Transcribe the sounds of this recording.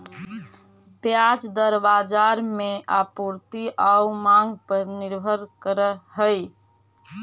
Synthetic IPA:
pjad͡ʒd̪əɾbad͡ʒaɾmeapuɾt̪iʔaumaŋɡpəɾniɾbʱəɾkəɾəɦəj

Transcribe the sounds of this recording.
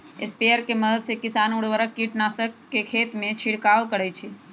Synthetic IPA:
espiəɾkeməd̪əd̪sekɪsanuɽʋəɾəkiʈnasəkːekʰet̪mẽt͡ʃʰiɽkaʋkəɽɛt͡ʃʰe

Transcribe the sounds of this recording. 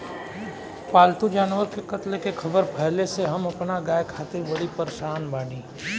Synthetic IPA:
paːlt̪ud͡ʒaːnʋəɾkekɐt̪lekekʰɐbəɾpʰɛɦleseɦɐmɐpnaɡaːjkʰaːt̪ɪɾbɐɽipəɾeʃaːnbaːɽĩː

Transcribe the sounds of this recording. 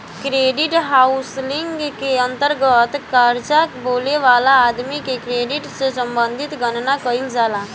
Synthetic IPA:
kɾeːɖiʈɦaʊslɪ̃ŋɡkeə̃nt̪əɾɡət̪kəɾd͡ʒakboːleʋaːlaːd̪mikekɾeːɖiʈsesə̃mbə̃nd̪ʱit̪ɡənnakəild͡ʒaːla

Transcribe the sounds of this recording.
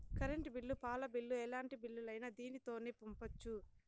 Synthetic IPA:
kɐɾeɳʈibilːupaːlɐbilːuɛlaːɳʈibilːulɐjnɐd̪iːnit̪o̞ːneːpumpɐt͡ʃːu

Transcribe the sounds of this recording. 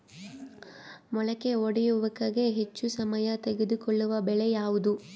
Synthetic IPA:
mɔɭɐke̞oɽɛjuʋɐkɐɡe̞ɦet͡ʃːusɐmɐjɐt̪eɡed̪ukɔɭːuʋɐbɛɭejaːʋud̪u

